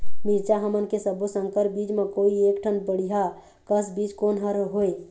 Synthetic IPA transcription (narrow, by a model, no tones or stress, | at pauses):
miɾt͡ʃaɦəmənkesəbosə̃ŋkəɾbid͡ʒmekoiekʈʰənbəɽiɦa | kəsbid͡ʒkonɦəɾɦoe